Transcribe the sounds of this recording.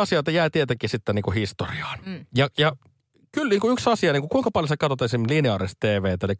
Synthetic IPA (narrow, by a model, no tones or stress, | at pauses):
ɑsiɑˑit̪ɑjæˑit̪iet̪ekːisit̪ːæniːŋkuhist̪oriɑ̥ːnjɑjɑ | kylniːŋkuyksɑsiɑniːŋkukuiŋkɑpɑljosɑkɑt̪ot̪ːˑɑisimlineɑˑɾist̪t̪eːʋeːt̪elik